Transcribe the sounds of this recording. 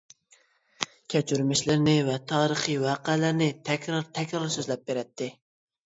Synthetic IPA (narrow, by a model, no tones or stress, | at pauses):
kʲʰɛt͡ʃʰyɾmɪʃlɪɾnɪvɛt̪ʰɑːɾəχiwɑːqɛlæɾnɪt̪ʰɛkʲɾɑɾt̪ʰɛkʲɾɑɾsøzlɛp̚beɾɛt̪ʰːɪ